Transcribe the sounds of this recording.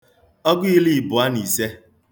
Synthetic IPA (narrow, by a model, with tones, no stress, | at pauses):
ɔ˦ɡʊ˦i˦li˨bʊ˨a˦ni˨se˦